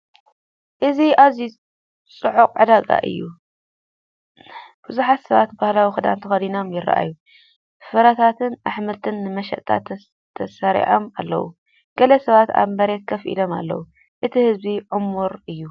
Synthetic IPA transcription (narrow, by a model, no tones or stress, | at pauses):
ʔɨziʔazi | t͡sʼɨʕukʼʕɨd̪aɡʼa̰ʔɨ̰jːu | b̥ɨzuħat̪sɐβat̪bahlawixɨd̪a̰nt̪ʰɐxɐd̪inomjɪɾa̰ʔa̰jːu | fɨɾɐt̪ʰat̪ʰɨnʔaħmɨlt̪ʰɨnːɨmɐʃɐ̰ʔt̪ʰa̰t̪ʰ | t̪ʰːɐsɐɾḭʕomalːɐ̰wṵ | ɡ̥ɐlɐsɐβat̪a̰βmɐɾet̪̚kʰɐfʔḭloma̰lːɐ̰wu | ʔɨt̪ʰihɨzbiʕʊmuɾɨjːu